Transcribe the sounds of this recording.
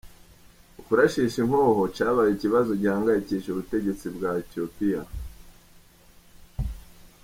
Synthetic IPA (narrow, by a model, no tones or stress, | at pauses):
ukuɾaʃiʃiŋ̥hoːho̞caːβajiciβazo̞ɟiaːŋɡajiciːʃuβute̞ɟe̞t͡sibɡaːetio̞pija